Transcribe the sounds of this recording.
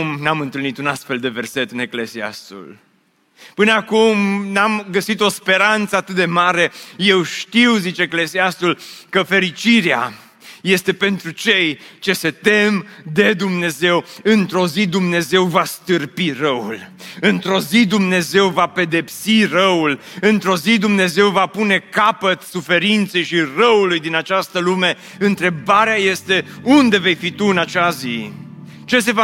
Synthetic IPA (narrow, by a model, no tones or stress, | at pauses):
mnamɨnt̪ɨlnit̪unast̪fe̞ld̪e̞ve̞rse̞t̪ɨne̞kle̞sia̰st̪ṵl | pɨnəakumnamɡəsit̪o̞spe̞ɾant̪səat̪ɨt̪̚d̪e̞maɾe̞je̞wʃt̪iwzit͡ʃeːkle̞siast̪ulkəfe̞ɾit͡ʃiɾea | je̞st̪e̞pe̞nt̪ɾut͡ʃe̞jt͡ʃe̞se̞t̪e̞md̪e̞d̪umne̞ze̞wɨnt̪ɾo̞zid̪umne̞ze̞wvast̪ɨrpirəṵlɨnt̪ɾo̞zid̪umne̞ze̞wvape̞d̪e̞psirəul | ɨnt̪ɾo̞zid̪umne̞ze̞wvapune̞kapət̪sufe̞ɾint̪se̞jʃirəulujd̪inat͡ʃast̪əlume̞ | ɨnt̪ɾe̞baɾeaje̞st̪e̞und̪e̞ve̞jfit̪uɨnat͡ʃazi | t͡ʃe̞se̞va